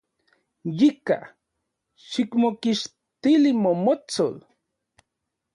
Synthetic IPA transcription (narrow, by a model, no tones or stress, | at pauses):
jika̰ | ʃikmokiʃ | t̪ilimomot͡so̰l